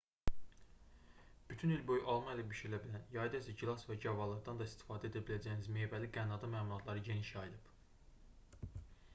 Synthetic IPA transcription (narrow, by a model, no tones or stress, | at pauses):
b̥yt̪ʰynilbø̞jʔɑlˠmɑelæbyʃyɾilæbilænjɑjd̪æsæɟilˠɑsvæɟɑvɑlˠɯɾd̪ɑnd̪ɑist̪i̥fɑːd̪æe̞d̪æbilæd͡ʒæjinizme̞ːvæliɡænɑd̪ɑmæːmulˠɑt̪ʰlˠɑɾɯɟe̞niʃɑjilɯb̥